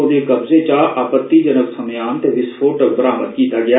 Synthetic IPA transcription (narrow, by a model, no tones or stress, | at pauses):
oːɾekɐbzet͡ʃaːaːpət̪ːid͡ʒənəbsəmjãːnt̪eʋɪsfʰoːʈəb̪əɾaːmət̪kiːt̪aɡɐjaː